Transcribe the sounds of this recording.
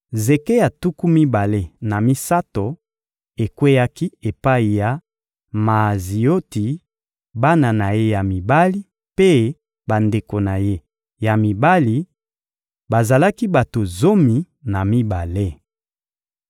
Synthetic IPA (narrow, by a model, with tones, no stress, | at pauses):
ze˨ke˦ja˨tu˦ku˦mi˦ba˨le˦na˨mi˦sa˦to˨ | e˨kwe˦ja˦ki˦e˨pa˦i˨ja˨ | ma˨zi˨o˦ti˨ | ba˦na˨na˨je˦ja˨mi˨ba˦li˦ | pe˦ | ba˨nde˨ko˨na˨je˦ | ja˨mi˨ba˦li˨ | ba˨za˨la˦ki˦ba˨to˨zo˦mi˨ | na˨mi˦ba˨le˦